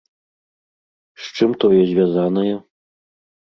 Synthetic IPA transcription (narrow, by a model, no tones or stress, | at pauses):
ʂt͡ʂɨmt̪ɔjɛzʲvʲjazanɐjɛ